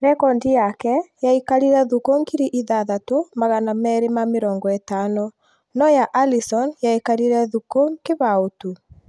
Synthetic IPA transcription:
ɾɛkɔndijakɛjaikaɾiɾɛðukoŋɡiɾiʔiðaðatomaɣanamɛɾemameɾɔːŋɡɔɛtanɔ | nɔjaʔalisɔnjaekaɾiɾɛðukoŋkeβaotu

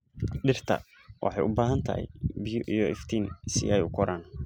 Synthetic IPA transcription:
ɗɪrt̪ʰɐ̰ | wʔɑ̰ħɑjʔʊbaːɦɐnt̪ʰɐ̰hɛ̰jbɪjʊʔijɔʔɪft̪ʰiːnsɪɛjʊkʰɔɾaːn

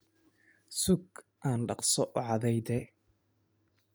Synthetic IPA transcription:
sʊɡ | ʔaːnɖɑqsɔʔɔʕɑðɛjd̪ɛ

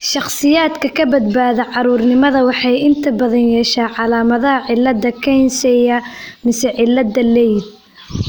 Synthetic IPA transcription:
ʃɑχsˤɨjaːt̪kɐkʰɐbɐd̪baːðɐʕɑɾuːɾnɪmɐðɐwɑħɑjʔɪnt̪ʰɐbɐðɐnjɛʃaːʕɑlaːmɐðɐhɐʕɪlːɐd̪ɐkʰɛjnsɛjɐmɪsɛʕɪlːɐd̪ɐlɛjd̪̚

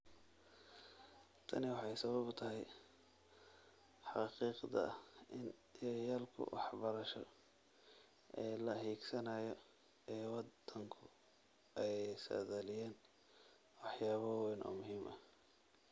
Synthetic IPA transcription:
t̪ʰɐ̰nɪwɑħɑjsɐβɐbʊt̪ʰɐɦɛj | ħɑqiːqd̪ɐ̰ʔɪnjɐjaːlkʰʊ̰wʔɑ̰ħbɐɾɐʃɔ̰ | ʔɛːlɐɦiːɡsɐnajɔ | ʔɛːwɑd̪̥ɐŋkʰʊ | ʔɛjsɐ̰ðɐlɪjɛːn | wɑħjaːβɐwwɛnɔ̰ːmʊɦiːmʔɐ

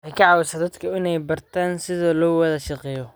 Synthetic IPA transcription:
wħɑjkʰɐʕɑːwɪsɐd̪ɐd̪kʰɐɪnɛjbɐrt̪ʰaːnsɪðɔːlɔːwɐðɐʃɑqɛːjɔ

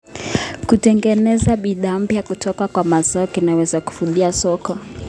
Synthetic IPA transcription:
kutɛŋɡɛnɛzaɓiðaːm̩pjakutʰɔkakwamazaɔkinawɛzaku̥fuðiasɔkɔ

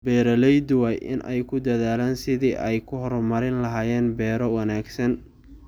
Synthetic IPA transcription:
bɛːɾɐlɛjd̪waːjʔɪ̰nʔɛ̰jkʰʊd̪ɐðaːlaːnsɪðiːʔɛjkʰʊɦɔrmɐɾɪnlɐɦaːjɛːnbɛːɾɔwɑnaːɡsɐn

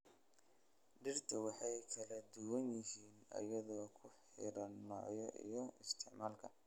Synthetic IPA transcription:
ɖɪrt̪ʰɐwɑħɑjkʰɐlɐd̪ʊwɐnjɪɦiːnɐ̰jɐðɔːkʰʊħɪɾɐnnɔːʕjɔʔḭjɔɪst̪ʰɪʕmaːlkʰɐ

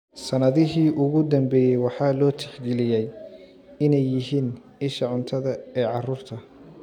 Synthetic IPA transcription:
sɐnɐðɪɦiːʔʊɣʊd̪ɐmbɛːjɛjwɑħɑːlɔːt̪ʰɪħɡɛlɪjɛj | ɪnɛjːɪɦiːn | ɪʃɐʕʊnt̪ʰɐðɐɛːʕɑruːrt̪ʰɐ

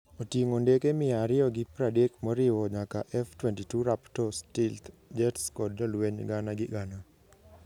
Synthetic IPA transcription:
otjeŋondekemɪaɾɪɔɡɪpɾadekmɔɾɪwɔɲakaʔɛftwɛntituɾaptɔstɪlt̪d͡ʒɛtskɔdɔlweɲɡanaɡɪɡana

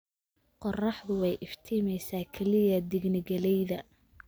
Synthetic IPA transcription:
qɔrɑħðʊwɛjʔɪft̪ʰiːmɛjsaːkʰɛlɪɣɐd̪ɪɡnɪɡɐlɛjðɐ

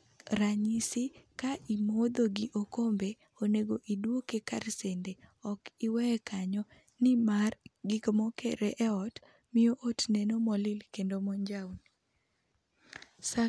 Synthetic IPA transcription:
ɾaɲisɪkaʔimod̪oɡiʔokombe | oneɡoʔidwokekarsendeɔkɪwɛkʰaɲɔ | nɪmarɡɪkomokeɾeʔɛɔt | mɪjoʔotnenomɔlɪlkendomɔɲd͡ʒawn | sa

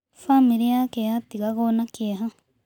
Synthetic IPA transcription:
famiɾiakeatiɣaɣonakiaɦa

